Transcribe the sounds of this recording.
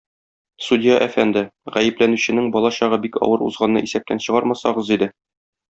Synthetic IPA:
sudʲɪjaʔæfænd̪ɘʁæjɘ̆plænʉɕɘ̆nɘŋbɒlˠɑɕɒʁɤbikɒ̰wɤɾṵzʁɑnːɤ̰ʔisæp̚t̪ænɕɤ̆ʁɑɾmɑsɑʁɤzid̪ɘ

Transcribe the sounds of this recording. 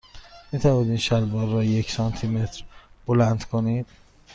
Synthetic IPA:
miːt̪ʰævɒd̪iːnʃælbɒːɾːɒjecsɒnt̪ʰimet̪ʰɾb̥olænd̪̥kʰonid̪̥

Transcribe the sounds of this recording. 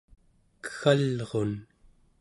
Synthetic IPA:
kə̥xalʁon

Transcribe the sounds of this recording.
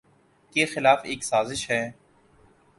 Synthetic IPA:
kexɪlaːfeːksaːzɪʃɦɛː

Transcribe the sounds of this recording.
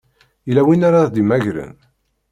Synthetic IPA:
ilæwinaɾad̪imæʝɾə̰n

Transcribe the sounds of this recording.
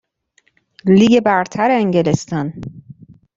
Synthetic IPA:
liːɡebæɾt̪ʰæɾeeŋɟelest̪ɒn

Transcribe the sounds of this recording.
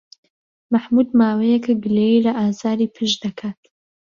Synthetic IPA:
maħmud̪maːwejɛkɨɡɨleilɐʔaːzaːɾiːpʰɨʃd̪ɐkʰaːt̪

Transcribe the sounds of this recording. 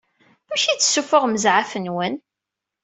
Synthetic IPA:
æʃit͡sːə̥sːufəʁməzʕafənwən

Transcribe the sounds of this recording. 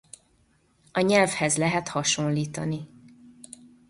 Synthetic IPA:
ɒɲɛlfhɛzlɛɦɛt̪hɒʃo̞nliːt̪ɒni

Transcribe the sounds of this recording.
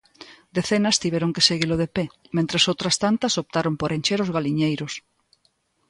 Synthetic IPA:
d̪eθenɐst̪iβɛɾoŋkeseɣiloðepemẽnt̪ɾesowt̪ɾɐst̪ant̪ɐsop̚t̪aɾompoɾent͡ʃeɾozɣaliɲejɾʊs

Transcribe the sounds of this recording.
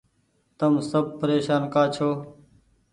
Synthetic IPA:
t̪əmsəb̚pəɾeːʃaːnkaːt͡ʃʰoː

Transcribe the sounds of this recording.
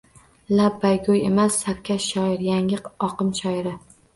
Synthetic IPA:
labːajɡojemasːapkʲʰaʃɒɪɾjaŋɪqɒqʰɨmʃɒjɪɾɪ

